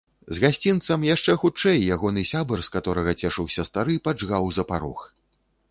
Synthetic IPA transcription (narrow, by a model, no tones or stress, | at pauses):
zɣasʲt͡sʲint̪sɐmjaʂt͡ʂɛxut͡ʂɛjːaɣɔn̪ɨsʲabɐrskat̪ɔɾɐɣɐt͡sʲɛʂɨwsʲɐst̪aɾɨpad͡ʐɣawzɐpaɾɔ̰x